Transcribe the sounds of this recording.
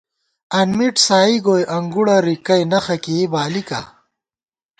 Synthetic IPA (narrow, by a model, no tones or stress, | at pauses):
ɐnmiʈsaːiɡoːjʔɐŋɡuɽɐɾikɐjnɐxɐkebaːlika̰